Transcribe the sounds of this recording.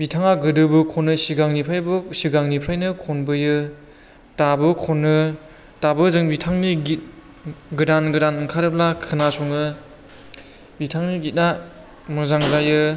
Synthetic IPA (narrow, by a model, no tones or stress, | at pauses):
bitʰaŋaɡɯdɯbɯkʰɔnːɯsiɡaŋnipʰɾajbɯsiɡaŋnipʰɾajnɯkʰɔnbɯjɯ | tabɯkʰɔnːɯ | tabɯzɯŋbitʰaŋniɡit̚ | ɡɯdanɡɯdanɯŋkʰaɾɯp̚lakʰɯnasʰɔŋɯ | bitʰaŋniɡit̚na | mɯzaŋzajɯ